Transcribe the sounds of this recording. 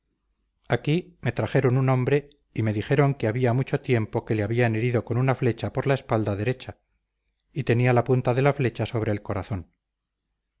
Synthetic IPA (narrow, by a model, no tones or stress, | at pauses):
akime̞t̪ɾaxe̞ɾo̞nunõ̞mbɾe̞ | ime̞ðixe̞ɾo̞ŋkeaβiamut͡ʃo̞t̪je̞mpo̞ke̞leaβiane̞ɾiðo̞ko̞nunafle̞t͡ʃapo̞ɾlae̞spald̪aðe̞ɾe̞t͡ʃa | it̪e̞nialapunt̪aðe̞lafle̞t͡ʃaso̞β̞ɾe̞ːlko̞ɾaθo̞n